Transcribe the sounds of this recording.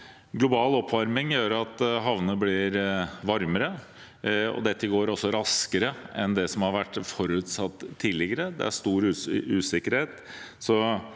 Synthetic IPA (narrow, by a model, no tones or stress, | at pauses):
ɡlʊbɑːlɔpʰːʋɑɾmɪŋjøːɾɑt̪ɦɑʋnəblɪɾʋɑɾməɾə | ɔ̰d̪ɛt̪ːəɡoːɾɔsːɔɾɑskəɾəɛnd̪ɛsɔmhɑɾʋæʈːfɔɾʉːt̪sɑt̪ːʰiːd̪lɪɡəɾəd̪ɛ̰æ̰ʂt̪uːɾʉːʉːsɪkːəɾheːt̪ | sɔ